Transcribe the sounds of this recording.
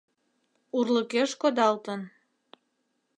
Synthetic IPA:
urləkeʃkod̪ɑlt̪ən

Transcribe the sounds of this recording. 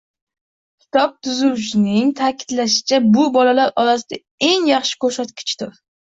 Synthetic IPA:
kʲʰɪ̥t̪ʰɒp̚t̪ʰʊzʊwʃɪnɪŋt̪ʰakʲʰɪ̥d̪laʃɪ̥t͡ʃʰabʊbɒlalaɾɒlas̬ɪd̪a | e̞ŋjɑχʃɪ̥kʰɵɾsat̪̚kʲɪ̥t͡ʃd̪ʊɾ

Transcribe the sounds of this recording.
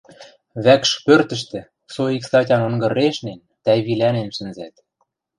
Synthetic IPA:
βækʃpørt̪ɘ̆ʃ̬t̪ĕ | soiksɑtʲɑnɤ̆ŋɡɤ̆reʃnen | t̪æβilʲænenʃɘ̆nzæt̪̚

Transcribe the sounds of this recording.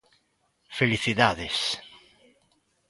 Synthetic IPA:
feliθiðaðes

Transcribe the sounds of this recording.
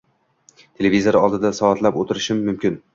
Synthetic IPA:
t̪ʰe̞levizoɾɒlˠd̪ɪd̪asɒat̪ʰlapot̪ʰɪɾɪʃɪmːʊmkʲɪn

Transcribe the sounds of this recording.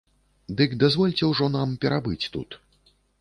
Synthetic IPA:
d̪ɨkd̪azvɔlʲt͡sʲɛwʐɔn̪ampʲɛɾabɨt͡sʲt̪ṵt̪

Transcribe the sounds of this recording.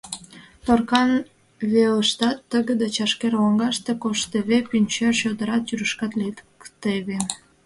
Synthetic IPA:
t̪orkɑn | βeləʃt̪ɑt̪ːəɣəd̪et͡ɕɑʃkerwoŋɡɑʃt̪ekoʃt̪eβepynʲt͡ɕørɕød̪əɾɑt̪jyɾəʃkɑt̪lit̪kt̪eβe

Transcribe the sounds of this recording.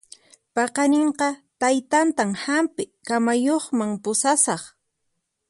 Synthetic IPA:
pɑqɑneɴqɑt̪ajt̪ant̪amhampɪkamajoχmaŋpʊsasɑχ

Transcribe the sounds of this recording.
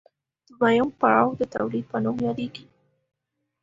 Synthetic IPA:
d̪̥əmajʊmpaɽɑwd̪ət̪awlid̪̚pənomjɑd̪eɡi

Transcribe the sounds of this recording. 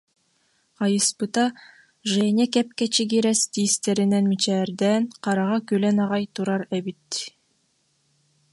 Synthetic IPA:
qɑjɯspɯt̪ɑ | ʒɛːnʲɛkɛp̚kɛt͡ʃiɡiɾɛst̪iːst̪ɛɾinɛnmit͡ʃɛːɾd̪ɛːnqɑɾɑʁɑkylɛnɑʁɑjt̪uɾɑɾɛbit̪

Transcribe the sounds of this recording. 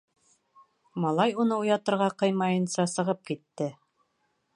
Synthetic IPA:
mɑlˠɑjunɤujɑt̪ɤ̆ɾʁɑqɤjmɑjɤ̆nsɑsɤ̆ʁɤp̚kit̪ːɘ

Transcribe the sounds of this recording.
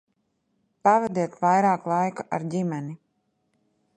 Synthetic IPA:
pavɛd̪iɛt̪vajɾaːklˠajkaʔaɾɟʲimɛni

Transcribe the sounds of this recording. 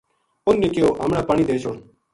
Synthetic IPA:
ʊnːeːkɪjoːʔa̰ːmɽaːpaːɳiːd̪eːt͡ʃoːɳ

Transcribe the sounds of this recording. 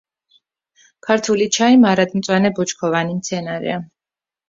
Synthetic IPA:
kʰaɾt̪ʰulit͡ʃʰaimaɾad̪mt̪sʼwanɛbɔt͡ʃʰkʰɔvanimt̪sʰɛnaɾɛ̰a

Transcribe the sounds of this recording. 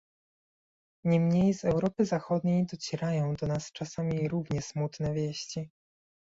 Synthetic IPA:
ɲɛmɲejzɛwɾɔpɘzaxɔd̪ɲejd̪ɔt͡ɕɛɾajɔ̃w̃d̪ɔnast͡ʂasamʲiɾuvɲɛsmut̪nɛvʲjɛɕt͡ɕi

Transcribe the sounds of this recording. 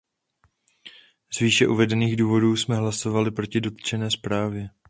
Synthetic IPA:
zviːʃɛʔuvɛdɛniːɣduːvo̞duːsmɛɦlaso̞valɪpɾo̞cɪdo̞t̪t͡ʃɛnɛːspɾaːvjɛ

